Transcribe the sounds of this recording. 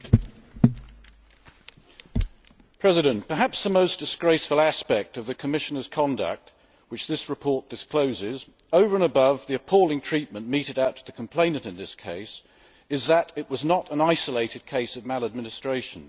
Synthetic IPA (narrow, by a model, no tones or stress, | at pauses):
pʰɹ̥ɛzɨɾɨ̃npə˞ɦæpsðəmoʊsd̥ɨsɡ̥ɹeɪsflˠæspɛk̚tʌvðɨkʰəmɪʃənə˞z̥kʰɑ̃ndə̰k̚t̚ | wɨt͡ʃðɪsɹɨpʰɔɹt̚d̥ɨskʰl̥oʊzɪz | əʊvə˞ə̃nəbʌvðiɨpʰɔlˠɪ̃ŋtʰɹ̥iˑt̚mə̃nmiɾɨɾaʊtʰəðɨkʰə̃m̩pʰl̥ẽɪ̃nə̃ntɨ̃nðɪskʰeɪs | ɪzðəɾɪʔ̚wʌznəɾə̃naɪsəleɪɾɨd̚kʰeɪsəvmælˠəd̚mɪnɨstɹ̥eɪʃə̃n̩